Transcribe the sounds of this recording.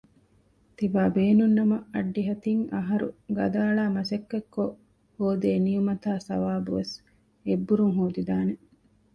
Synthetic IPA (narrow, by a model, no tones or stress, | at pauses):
t̪iʋaːbeːnunːɐmɐɐɖːiɦɐt̪iŋɐɦɐɾṵɡɐ̰d̪aːɭaːmɐsɐkːekːo | hoːd̪eːnijumɐt̪aːsɐ̰ʋaːbuʋes | ebːuɾuŋɦoːd̪id̪aːne